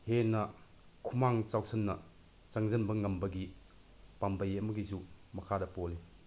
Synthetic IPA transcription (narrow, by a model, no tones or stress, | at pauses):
henɐ | kʰumaŋt͡ʃawsɐnːɐ̰ | t͡ʃaŋzɐnbɐŋɐmbɐɡi | pambɐjemɐɡizumɐkʰadɐpɔli